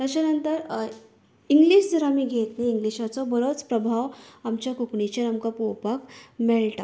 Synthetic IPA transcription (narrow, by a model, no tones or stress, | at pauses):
t̪ət͡ɕanənt̪əɾ | iŋɡliɕd͡zəɾamiːɡʱet̪neiŋɡliɕat͡sɔbəɾot͡spɾəbʱaʋamt͡ɕjakukɳit͡ɕəɾamkapowpakmeɭʈa̰